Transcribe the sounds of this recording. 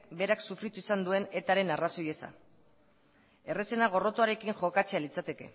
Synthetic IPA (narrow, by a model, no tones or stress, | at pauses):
be̞ɾaksufɾit̪uisand̪ue̞ne̞t̪aɾe̞naraso̞je̞sa̰ | e̞rese̞naɣ̞o̞ro̞t̪uaɾe̞kiŋxo̞kat͡se̞alit͡sat̪e̞ke̞̰